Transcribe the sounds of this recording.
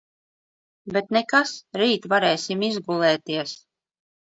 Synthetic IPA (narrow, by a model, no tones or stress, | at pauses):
bet̪nekasɾiːt̪vaɾɛːsʲimizɡulˠɛːt̪iɛs